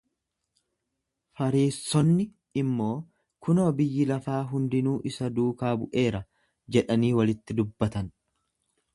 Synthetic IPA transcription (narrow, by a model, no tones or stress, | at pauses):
fɐɾiːsɔnːɪ | ɪmːo̞ː | kʊnoːbɪjːɪlɐfaːɦʊnd̪ɪnuːʔɪsɐd̪uːkaːbʊʔe̞ːɾɐ | d͡ʒɛᶑɐniːwɐlɪt̪ːɪd̪ʊbːɐt̪ɐn